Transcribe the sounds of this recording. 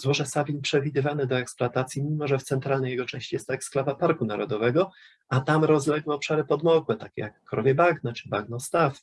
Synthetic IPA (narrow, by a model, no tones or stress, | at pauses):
zwɔʐɛsabʲinpʂɛvʲid̪ɘvanɘd̪ɔɛkspluat̪at̪sʲjimʲimɔʐɛft̪sɛnt̪ɾalnɛjɛɡɔt͡ʂɛ̃w̃ɕt͡ɕijɛst̪ːɔɛksklavapaɾkunaɾɔd̪ɔvɛɡɔ | at̪amɾɔzlɛɡwɛɔpʂaɾɘpɔd̪mɔkwɛt̪akʲɛjakːɾɔvʲjɛbaɡnɛt͡ʂɘbaɡnɔst̪af